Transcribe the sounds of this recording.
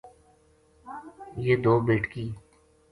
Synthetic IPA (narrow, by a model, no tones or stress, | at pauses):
jeːd̪oːbeːʈkiː